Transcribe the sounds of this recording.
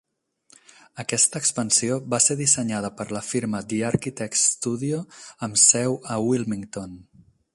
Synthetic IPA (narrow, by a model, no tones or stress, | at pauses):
əkɛst̪əːkspənsioβaseðisəɲað̞əpəɾləfiɾməd̪iəɾkit̪ɛksst̪uðioəmsɛwəwilˠmiŋt̪on